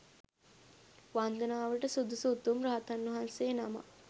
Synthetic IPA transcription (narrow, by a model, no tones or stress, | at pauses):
ʋand̪ənaːʋəʈəsud̪usut̪ːumɾaɦat̪anːɐɦansejːnama̰